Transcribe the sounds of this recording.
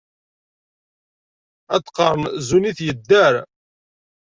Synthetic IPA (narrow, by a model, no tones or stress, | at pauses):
æt̪ːqəɾˤnzuniθjəd̪ːəɾ